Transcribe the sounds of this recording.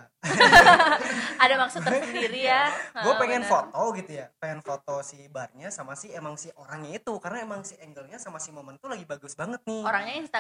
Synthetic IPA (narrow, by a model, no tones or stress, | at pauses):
adamaksʊt̪ːərsəndiɾijaɡuapeŋɛnfot̪oɡit̪ujapeŋɛnfot̪osibarɲasamasɪhemaŋsioɾaŋɲait̪ukarnaemaŋsiɛŋɡəlɲasamasiməmənt̪ulaɡibaɡʊsbaŋət̪̚nɪoɾaŋɲaŋsit̪a